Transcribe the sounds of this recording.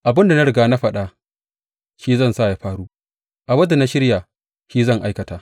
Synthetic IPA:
ʔa˨bɪ˦nda˨na˦ɽɪ˨ɡaː˦na˦ɸɐ˦ɗa˦ | ʃiː˦zɐ˦˨nsaː˦˨ja˦ɸaː˦ɽuː˦ | ʔa˨wɐ˦da˨na˦ʃɪ˦ɽja˨ | ʃiː˦zɐ˦˨ŋʔa˦jkɐ˨taː˨˦

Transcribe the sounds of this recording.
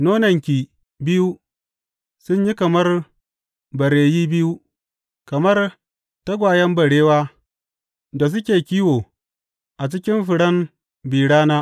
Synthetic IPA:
noː˦nɐ˨ŋkʲiː˨ | bɪ˦ju˦ | sʊ˦ɲji˦kɐ˨mɐ˦r | bɐ˨ɽeː˨jiː˦bɪ˦ju˦ | kɐ˨mɐ˦r | tɐ˦ɡʷaː˨jɐ˦mbɐ˨ɽeː˦waː˦ | da˨s̬ʊ˦kʲeː˨kʲiː˦woː˨ | ʔa˨t͡ʃɪ˦kʲɪ˦nɸɪ˨ɽɐ˦m | biː˨ɽaː˦naː˦

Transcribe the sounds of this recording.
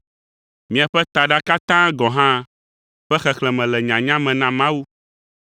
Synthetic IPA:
mĩ˨a˨ɸɛ˦t̪a˨ɖa˦ka˦t̪ã˦ɡɔ˨ɦã˦ | ɸɛ˦xɛ˨xlɛ̃˨mɛ̃˨lɛ˨ɲã˨ɲã˦mɛ̃˨nã˨mã˦wu˦

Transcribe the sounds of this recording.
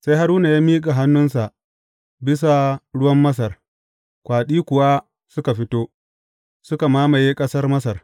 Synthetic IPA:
sa˦jha˦ɾuː˦na˨jaː˦miː˦kʼa˨ɦa˦nːʊ˦nsa˨ʔ | bɪ˦s̬a˨ɽʊ˦wɐ˦mːɐ˦s̬ɐ˨r | kʷaː˨ɗiː˦kʷʊ˨wa˦ | sʊ˦ka˨ɸɪ˦toː˦ | sʊ˦ka˨maː˦ma˨jeː˦kʼɐ˦sɐ˦rmɐ˦s̬ɐ˨r

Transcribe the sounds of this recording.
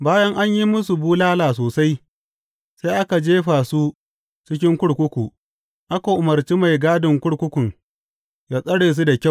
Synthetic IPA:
baː˦jɐ˦ŋʔa˦ɲji˦mʊ˦su˨buː˦laː˦laː˨s̬oː˨sa˦j | sa˦jʔa˦ka˨d͡ʒeː˦ɸa˨su˦ | t͡ʃɪ˦k̬ʲɪ˦ŋkʷʊ˦ɽkʷʊ˦kʷu˨ | ʔa˦ka˨ʔʊ˨mɐ˨ɾt͡ʃi˦ma˨jɡaː˦dɪ˨ŋkʷʊ˦ɽkʷʊ˦kʷʊ˨ŋ | jaː˦sʼɐ˦ɽeː˨s̬u˦da˨kʲa˦˨

